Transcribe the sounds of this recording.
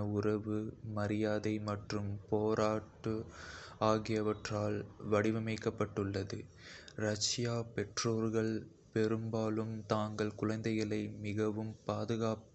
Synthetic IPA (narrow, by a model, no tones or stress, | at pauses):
ɐʊrɐʋɯmɐɾɪjaːðɐɪmɐʈrɯmpoːɾaːʈːɯaːɣɪjɐʋɐʈraːlʋɐɽɪʋɐmɐɪkːɐpːɐʈːɯɭːɐðɯ | ɾɐʂɪjaːpɛʈroːɾɣɐɭ | pɛɾɯmbaːlɯmt̪aːŋɡɐɭkʊɻɐnd̪ɐɪɣɐɭɐɪmɪɣɐʋɯmpaːðɯɣaːp